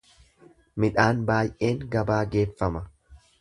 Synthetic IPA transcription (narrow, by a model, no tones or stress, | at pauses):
mɪᶑaːnbaːjʔe̞ːŋɡɐbaːɡe̞ːfːɐmɐ